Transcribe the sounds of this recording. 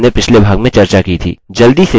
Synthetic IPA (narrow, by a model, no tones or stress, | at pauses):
nepɪt͡ʃʰlebʱaːɡmẽt͡ʃɐɾt͡ʃakit̪ʰḭːd͡ʒɐld̪ise